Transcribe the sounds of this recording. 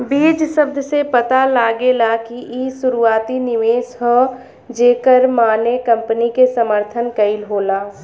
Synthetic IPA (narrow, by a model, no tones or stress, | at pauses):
biːd͡ʒsəb̚d̪ʱsepət̪alaːɡelakiʔisʊɾuaːt̪inɪʋeːsɦo | d͡ʒeːkəɾmaːnekə̃mpnikesəməɾt̪ʰənkɐɪlɦoːlaː